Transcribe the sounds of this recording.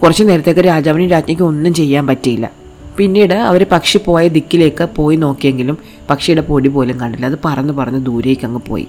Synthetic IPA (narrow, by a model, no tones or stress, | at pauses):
kurɐt͡ɕːɨne̞ːɾɐt̪ːekːɨɾaːd͡ʑaːʋɐnimɾaːd͡ʑmɐkʲːɨo̞nːumt͡ɕe̞jːaːnpɐtːijilːɐ̰ | pinːiːɽɨɐ̰ʋɐɾepɐkʂipo̞ːjɐd̪ikʲːile̞ːkːɨpo̞ːjino̞ːkːijeŋɡilum | pɐkʂɐjuɽe̞po̞ːɽipo̞ːleŋkɐɳɖilːɐːðɨpɐrɐnːɨpɐrɐɲːud̪uːɾejkʲːɐŋːɨpo̰ːjḭ